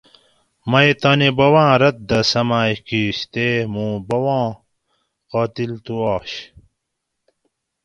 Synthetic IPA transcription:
mɐet̪ɐːnebɐwãːɾɐt̪̚d̪ɐsɐmaːikiːɕt̪emũːbɐwãː | qaːt̪ilt̪uaːɕ

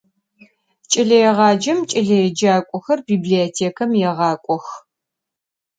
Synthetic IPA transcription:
t͡ʃʼɪɮɐjɛʁɑːd͡ʒɐmt͡ʃʼɪɮɐjɛd͡ʒaːkʷʼɔxɐrbiːbliotʰeːkʰɐmjɛʁɑːkʷʼɔx

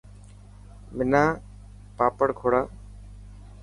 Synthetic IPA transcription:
mɪnãː | paːpəɽkʰoːɽaː

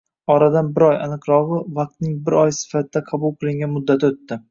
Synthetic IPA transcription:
ɒɾad̪anbɪɾɒjanɨqɾɒʁɨvɑq̚t̪nɪŋbɪɾɒjsɪ̥fat̪ɪd̪aqʰɑbʊlˠqʰɨlˠɪŋɡʲanmʊd̪ːat̪ʰot̪ːɪ

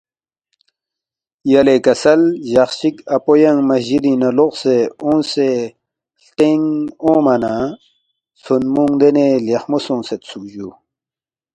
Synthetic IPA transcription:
jɐlekɐsɐlʑɐxɕikɐpojɐŋmɐʑiɾinɐloqseõːnse | ɬt̪eŋõːmɐna | sunmuŋd̪enelexmosõːnset̪sukʑu

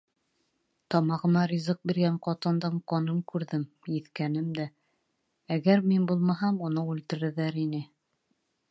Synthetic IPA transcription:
t̪ɑmɑʁɤ̆mɑɾʲizɤq̚biɾɡæɴqɑt̪ɤ̆nd̪ɤɴqɑnɤmkʉɾðɘm | jɘ̆θkænɘmd̪æ | æɡæɾminbulˠmɑɦɑmunɤʉlt̪ɘ̆ɾɘ̆ðæɾinɘ

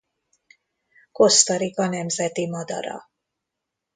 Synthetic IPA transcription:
ko̞st̪ɒɾikɒnɛmzɛt̪imɒd̪ɒ̰ɾɒ̰

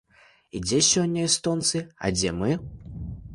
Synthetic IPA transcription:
id͡zʲɛsʲɔnʲːɐist̪ɔnt̪sɨɐ̰d͡zʲɛmɨ

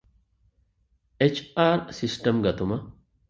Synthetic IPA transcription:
ʔɛt͡ʃːaːɾsɪstɐmɡɐt̪ʊmɐ

